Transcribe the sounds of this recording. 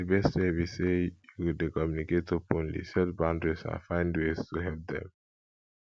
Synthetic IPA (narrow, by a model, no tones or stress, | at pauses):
əbɛstewisejuwidekɔmjuniketːopõnlḭsɛtbãʊ̃ndɹesã̰fãɪ̃ndweztuɦɛlp̚d̪ɛ̰̃m